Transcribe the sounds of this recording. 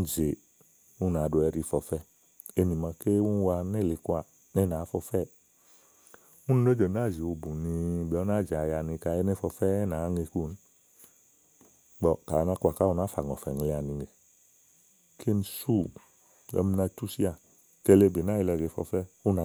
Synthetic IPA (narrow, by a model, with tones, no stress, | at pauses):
n̩˨ze˨ | u˦na˨˦do˧ɛ˧ɾi˧˨fɔ˨˧fɛ˦ | e˧ni˨ma˧ke˦wu˦n˦˧wa˧˨ne˦˨li˧kwa˨ | ne˦˧˦na˨˦fɔ˧fɛ˦ | u˦n˧no˦d͡ʒo˨na˦˨zi˨o˧bu˨ni˧˦bɔ˨˦a˦˨d͡ʒa˨ja˧˨ni˧ka˧˦e˧˦ne˦˧˦fɔ˧fɛ˦na˨˦ŋe˧ku˦˨n˦ | ɡ͡bɔ˧˨ka˨˧na˧˦kwa˨ka˦u˧na˨˦fa˨ŋ˨ɔ˨fɛ˨ŋ˨˧li˧a˨ni˧ŋe˨ | kʰe˦n̩˨su˦˨ | ɔ̰˧˦m˧na˧tu˦si˦a˧˨ | ke˧le˧˨be˨na˦i˧lɛ˧˨d͡ʒe˨˦fɔ̰˧fɛ˦u˦na˨